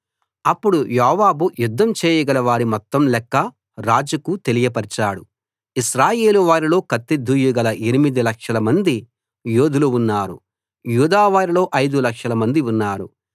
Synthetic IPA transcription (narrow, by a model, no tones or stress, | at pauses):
ɐpːuɽujɔːʋaːbujud̪ːɐmt͡ʃeːjɐɡɐlɐʋaːɾimɔt̪ːɐmlɛkːɐ | ɾaːd͡ʒɐkut̪e̞lijɐpɐɾt͡ʃaːɽu | iʃɾaːje̞ːluʋaːɾilo̞ːkɐt̪ːid̪ʱːujuɡɐlɐʔenimid̪ilɐkʂɐlɐmɐnd̪i | juːd̪ʱuluunːaːɾṵ | juːd̪aːʋaːɾilo̞ːʔɐjd̪ulɐkʂɐlɐmɐnd̪iunːaːɾu